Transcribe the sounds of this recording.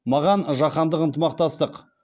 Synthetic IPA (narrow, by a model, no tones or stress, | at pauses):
mɑʁɑnʒɑqɑnd̪əqənt̪əmɑq̚t̪ɑst̪əq